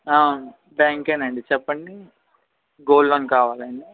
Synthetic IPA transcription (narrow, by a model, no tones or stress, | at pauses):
aːwnu | baːŋkenɐɳɖit͡ʃɛpːɐɳɖi | ɡoːlloːnkaːʋaːlɐɳi